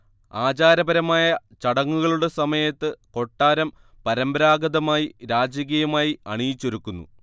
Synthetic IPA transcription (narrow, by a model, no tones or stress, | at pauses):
aːd͡ʑaːɾɐbɐɾɐmaːjɐt͡ɕɐɽɐŋːuɣɐɭuɽe̞sɐmɐjɐt̪ːɨko̞ʈːaːɾɐm | pɐɾɐmbɐɾaːɡɐðɐmaːjiɾaːd͡ʑɐk̬ijɐmaːjiɐɳijit͡ɕːo̞ɾukːunːṵ